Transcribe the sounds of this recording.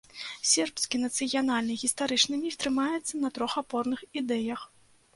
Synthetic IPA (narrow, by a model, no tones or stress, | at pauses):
sʲɛrpskʲinɐt̪sɨjanalʲnɨɣʲist̪aɾɨt͡ʂnɨmʲift̪ɾɨmajɛt̪sːɐnɐt̪ɾɔxapɔrnɨxid̪ɛjɐx